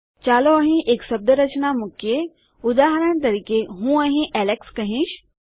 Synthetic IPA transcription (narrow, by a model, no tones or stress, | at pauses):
t͡ɕaːloɐɦĩʔeksɐb̚d̪əɾɐt͡ɕnamʊkʰje | ʊd̪aːɦɾəñt̪̬ɐɾiːkeɦũːəɦĩʔɛːlekskɐɦĩʃ